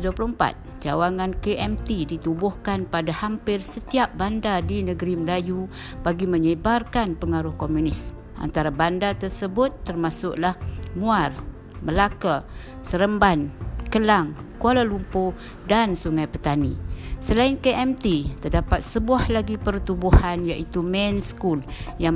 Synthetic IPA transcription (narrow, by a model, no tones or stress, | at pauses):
duapluəmpa̰t̪̚ | d͡ʒawaŋankeʔɛmt̪idit̪ubʊhkanpadahampɪrsət̪iap̚bandadinəɡəɾiməlaju | b̥aɡiməɲəbarkanpəŋaɾʊhkomunɪs | ʔa̰nt̪aɾabandat̪ərsəbʊt̪ːərmasʊ̰ʔlahmuar | məlaka | səɾəmbankəlaŋkualalumpo | dansuŋajpət̪anisəlaɪnkeʔɛmt̪it̪ərdapat̪̚səbuahlaɡipərt̪ubuhanjaʔit̪umɛnskulja